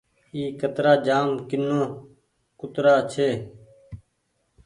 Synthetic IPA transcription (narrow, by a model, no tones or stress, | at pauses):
iːkət̪ɾaːd͡ʒaːmkɪnːõː | kʊt̪ɾaːt͡ʃʰeː